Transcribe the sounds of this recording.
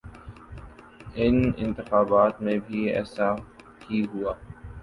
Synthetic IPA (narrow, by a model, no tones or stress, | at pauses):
ɪnɪ̰̃nt̪ɪxaːbaːt̪mẽbʱiɛ̰ːsa | hiɦuaː